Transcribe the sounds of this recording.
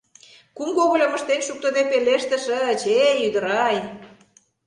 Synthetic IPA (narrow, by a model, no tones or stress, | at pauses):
kumkoɣolʲomə̆ʃt̪enʃuk̚t̪ŏd̪epeleʃt̪ə̆ʃə̆t͡ɕeyd̪əɾɑj